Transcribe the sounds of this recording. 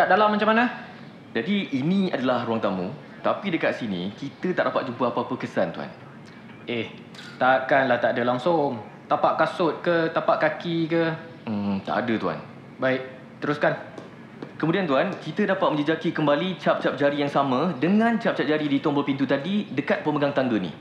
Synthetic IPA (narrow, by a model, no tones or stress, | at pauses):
t̪aʔdalamːat͡ʃamana | d͡ʒadiːnĩadalahɾuaŋt̪amṵ̃ | t̪apidəkat̪̚sinḭ̃kit̪ət̪aʔdapat̪̚d͡ʒumpəapəapəkəsant̪ua̰n | ʔeh | t̪akanlaht̪aʔdəlaŋsʊŋ | t̪apaʔkasʊt̪̚kət̪apaʔ̚kakikə | m̩t̪a̰ʔa̰dət̪ua̰n | baɪk̚ | t̪əɾuskan | kəmũdiant̪uankit̪ədapat̪̚mə̃ɲd͡ʒəd͡ʒakikəmbalit͡ʃap̚t͡ʃap̚d͡ʒaɾijaŋsamə̃dəŋãnt͡ʃap̚t͡ʃap̚d͡ʒaɾidit̪ʊaŋbərpint̪ut̪adidəkat̪̚pəməɡaŋt̪aŋɡənḭ